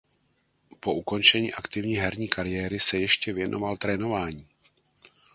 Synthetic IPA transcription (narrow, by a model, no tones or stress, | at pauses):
po̞ʔuko̞nt͡ʃɛɲiːʔakt̪ɪvɲiːɦɛɾɲiːkʰaɾɪjɛːɾɪsɛjɛʃcɛvjɛnʔo̞̰valt̪ɾɛːno̞vaːɲiː